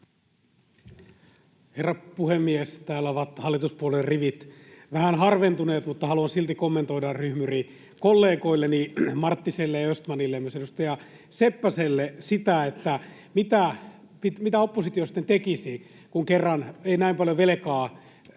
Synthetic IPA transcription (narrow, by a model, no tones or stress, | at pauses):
herːɑpuhemːiest̪æːlːæoʋɑt̪hɑlːit̪uspuolerriʋit̪ʋæhænhɑrʋent̪uneːt̪mut̪ːɑhɑluɑnsilt̪ikomːent̪oiɾɑrryhmyri | kolːeːkoilːenimɑrt̪ːiselːejɑøst̪mɑnilːemyøsedust̪ɑjɑ | sepːæselːesit̪æet̪ːæ | mit̪æ | pit̪mit̪æopːosit̪iosi̥t̪ːent̪ekisi | kuŋkerːɑneinæimpɑljoʋelekɑː